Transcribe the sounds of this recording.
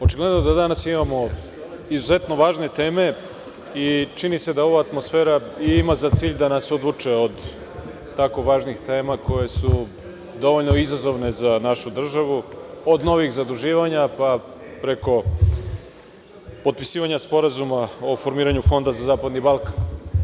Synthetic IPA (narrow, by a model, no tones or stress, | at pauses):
o̞t͡ʃiɡle̞d̪nod̪ad̪anasimamo̞ | izuze̞t̪no̞ʋaːʒne̞t̪e̞ːme̞ | it͡ʃinise̞d̪ao̞ʋaːt̪mosfe̞ːɾaiimazat̪siːʎd̪anaso̞d̪ʋut͡ʂeod̪ | t̪ako̞ʋaːʒnixt̪e̞ːmako̞je̞su | d̪o̞ʋoʎno̞izazo̞ʋne̞zanaʃud̪r̩ʒaʋuod̪no̞ʋixzad̪ɾuʒiːʋaɲapa | pɾe̞ko̞ | pot̪̚pi̥siːʋaɲaspo̞ɾazumaofo̞ɾmiːɾaɲufo̞nd̪azazaːpad̪nibalˠkan